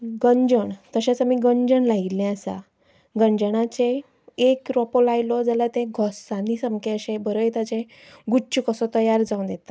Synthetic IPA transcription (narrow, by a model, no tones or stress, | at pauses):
ɡəɲd͡ʑəɳt̪əɕat͡samiːɡəɲd͡ʑəɳlaɡilɛ̃əsa̰ | ɡəɲd͡ʑəɳ̃at͡ɕe | ekɾɔpolajlɔd͡zəlat̪ẽɡʱɔsanisəmkeəɕẽbəɾəjt̪at͡ɕẽ | ɡut͡ɕukəsɔt̪əjaɾd͡zãwnd̪et̪a